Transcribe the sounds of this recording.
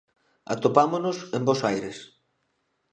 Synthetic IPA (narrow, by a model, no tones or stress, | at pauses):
a̰t̪opamonosẽmbosajɾes